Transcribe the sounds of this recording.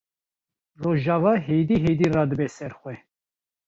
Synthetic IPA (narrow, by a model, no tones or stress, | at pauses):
rɔʒavaɦɛjd̪iɦɛjd̪irad̪bɛsɛɾχwɛ